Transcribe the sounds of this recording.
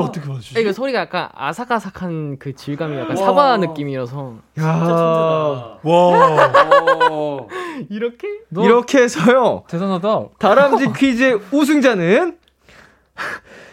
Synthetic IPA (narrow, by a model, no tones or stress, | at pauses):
ʌt͈ʌkʰeaakʌsʰoɾiɡajak͈a̰na̰sʰakasʰakʰankɯt͡ɕiɭɡamija̰k͈asʰabanɯk͈imiɾasʰʌja | wa | iɾkʰeiɾʌkʰeɦesʰʌjot͡ɕesanadataɾamd͡ʑikʰiːd͡ʑeus̬ʰuŋd͡ʑanɯn